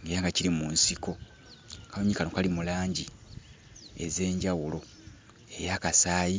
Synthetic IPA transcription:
ŋɡeɾaŋɡaciɾimunsiko̞ | kanoɲikanokalimulaːɲɟi | e̞̰ze̞ːɲɟawulo̞ | e̞jaːkasaːji

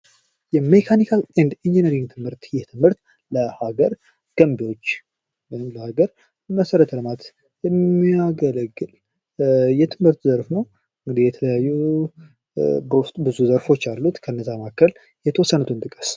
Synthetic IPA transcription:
jɛmekʰanikʰalɛnd̪ind͡ʒinəɾiŋɡt̪ʰɨmhɨɾt̪jɛt̪ʰɨmhɨɾt̪ | ləhaɡəɾ | ɡ̥əmbiwo̞t͡ʃː | mɨnmləhaɡəɾ | məsəɾət̪ʰəlɨmat̪ | jɛmːiaɡələɡːɨl | jɛt̪ʰɨmhɨɾt̪zəɾfnow | ɨŋɡɨd̪ijɛt̪ʰələjajːu | bəwʊst̪ʼbɨzuzəɾfo̞t͡ʃːalːut̪kʰəɨnːəzːamakːəl | jɛt̪ʰəwɔsːənut̪ʰɨnt̪ʼɨkʼə̥s

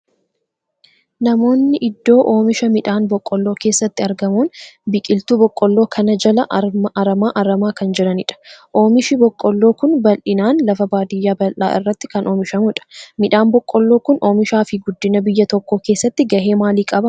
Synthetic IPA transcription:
nɐmo̞ːnːɪʔɪd̪ːo̞ːʔoːmɪʃɐmɪᶑaːnbɔkʼːɔlːo̞ːke̞ːsːɐt̪ːɪɐɾɡɐmuːnbɪkʼɪlt̪uːbɔkʼːɔlːoːkʰɐnɐd͡ʒɐlɐʔɐmɐɾɐmaːʔɐɾɐmaːkɐnd͡ʒɛᶑɐnɪᶑɐ̥ʔo̞ːmɪʃɪbɔkʼːɔlːoːkʊnbɐlʔɪnaːnlɐfɐbaːd̪ɪjːaːbɐlʔa̰ːʔɪ̰rːɐt̪ːɪ̥kɐnʔo̞ːmɪʃɐmʊɪᶑɐ̥mɪᶑaːnbɔkʼːɔlːo̞ːkʊnʔo̞ːmɪʃaːfɪɡʊd̪ːɪnɐbɪjːɐt̪ɔkːo̞ːke̞ːsːɐt̪ːɪɡɐhe̞ːmaːliːkʼɐbɐ

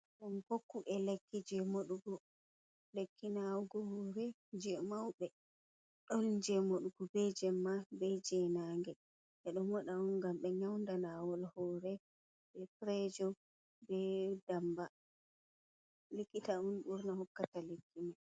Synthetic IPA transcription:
ɗɔnkokːuʔɛlekːid͡ʒɛmoɗuɡɔ | lekʰːinawɡɔhɔɾɛ | d͡ʒɛmawɓɛ | ɗɔnd͡ʒɛmoɗuɡɔbɛd͡ʒɛmːabɛd͡ʒɛnaŋɡɛ | ʔɛɗɔmɔɗaɔnɡamɓɛɲawndanawɔlhɔɾɛ | bɛpɾɛd͡ʒɔ | bɛdamba | lekːitaunɓuɾnahɔkːatalekːima

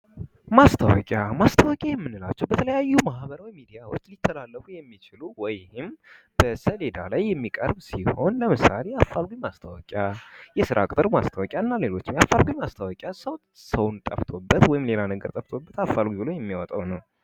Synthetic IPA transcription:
mast̪ʰəwɔkʼjamast̪ʰəwɔkʼjajɛmːɨnːɨla̰t͡ʃːɛwbət̪ʰələjajːumahbəɾwɔjmid̪ijawot͡ʃːlit̪ʰːəlalːəfujɛmːit͡ʃɪluwɔjhɪm | b̥əsəle̞d̪alajːɛmːikʼə̰ɾbsiho̞nləmɨsa̰lejafːalɡʷimast̪ʰəwɔ̰kʼjajɛsɨɾʔa̰kʼt̪ʼɨɾma̰st̪ʰawɔkʼjaɨnːale̞lo̞t͡ʃːɪmjafːalɡʷimast̪ʰəwɔkʼjasəw | səwnt̪ʼəft̪ʰo̞bːət̪wɔjɪmle̞lanəɡəɾt̪ʼəft̪ʰo̞bːət̪afːalɡʷibɨlo̞jɛmːiwɔt̪ʼa̰wnəw

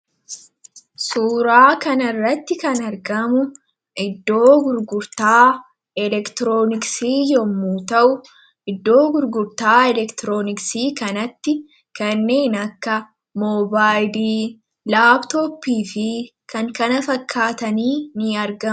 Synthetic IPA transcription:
suːɾaːkɐnɐrːɐt̪ːɪkɐnɐɾɡɐmʊ | ʔɪd̪ːo̞ːɡʊɾɡʊɾt̪aː | ɛlɛkt̪ɪɾoːnɪksiːjɔmːuːt̪ɐʔʊ | ʔɪd̪ːo̞ːɡʊɾɡʊɾt̪aːɛlɛkt̪ɪɾoːnɪksiːkɐnɐt̪ːɪ | kɐnːe̞ːnɐkːɐ | moːbaːjdiː | laːbt̪oːpːiːfɪ | kɐŋkɐnɐfɐkʰːaːt̪ɐniːnɪɐɾɡɐ

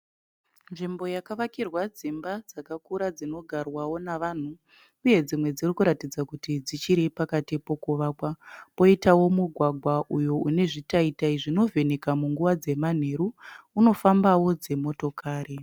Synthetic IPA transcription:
nʐimbo̞jakaʋakirwad͡zimbad͡zakakuɾad͡zino̞ɡʱarwawo̞naʋan̤uː | je̞d͡zimwe̞d͡zirikuɾatid͡zakutid͡zit͡ʃiɾepakatipo̞kuʋaːkwapo̞itawo̞muɡʱwaɡʱwaʔujoune̞ʐitaitaiʐino̞ve̞nekamuŋɡuʋad͡ze̞man̤e̞ɾuːno̞fambawo̞d͡ze̞mo̞to̞kaːɾi

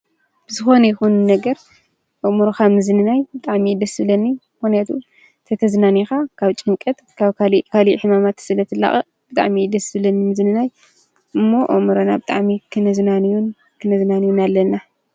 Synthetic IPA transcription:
b̥ɨzɨxo̞nɐjɪxunnɐɡɐɾ | ʔomuɾoxamɨzɨnɨnajbɨt̪ʼaʕmid̪ɐsɨlɐnːimɨxnijat̪ʰu | t̪ʰɐt̪ʰɐznanixakʰaβt͡ʃʼɨŋkʼɐt̪kʰaβʰalikʰaliħɨmamat̪sɨlɐt̪ʰɨlːa̰χʼɐ | b̥ɨt̪ʼa̰ʕmid̪ɐsɨβlɐnimɨzɨnɨnaj | ʔɨmːo̞ʔo̰mɨɾonabɨt̪ʼa̰ʕmikʰɨnɐznanijun | kʰɨnɐznanijunalːɐnːa

